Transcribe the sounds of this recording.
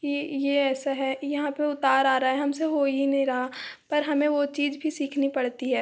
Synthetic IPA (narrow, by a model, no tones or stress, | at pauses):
kijeɛːsaɦɛjɐɦãpeʊt̪aːɾaːɾaɦɛɦɐmseɦoːiinɐɦĩɾɐɦapɐɾɦɐmẽʋot͡ʃiːd͡ʒbʱisiːkʰnipɐɽt̪iɦɛː